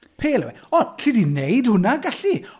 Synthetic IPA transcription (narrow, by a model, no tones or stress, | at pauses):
pʰeːlɛ̰wɛ̰ɔnɬidinejdhʊnaɡaɬi